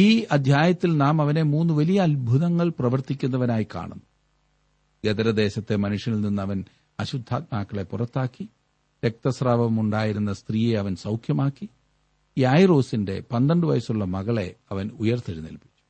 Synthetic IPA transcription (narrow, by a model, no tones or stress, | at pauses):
iːɐd̪ʱjaːjɐt̪ːilnaːmɐʋɐne̞muːnːuʋɐlijɐːlbʱuðɐŋːɐɭprɐʋɐrt̪ikʲːunːɐʋɐnaːjika̰ːɳunːu | ɡed̪ɐɾɐd̪e̞ːɕɐt̪ːe̞mɐnuʂjɐnilninːɐʋɐn | ɐɕud̪ʱːa̰ːt̪̚maːkːɐɭe̞purɐt̪ːaːkːi | ʋek̚t̪ɐsraːbɐmuɳɖaːjiɾunːɐst̪riːje̞ɐʋɐnsɐwkʰjɐmaːkːi | ajro̞ːsinde̞̰pɐnd̪ɐɳɖɨʋɐjɐsuɭːɐmɐɣɐɭe̞̰ɐʋɐnujɐrt̪iɽinḭlpi̥t͡ɕːu̥